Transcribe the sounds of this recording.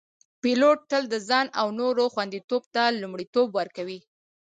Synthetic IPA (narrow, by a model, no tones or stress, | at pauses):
piloʈ̚ːəld̪əzɑnawnoɾoxwand̪it̪obt̪alumɽit̪obwaɾkawi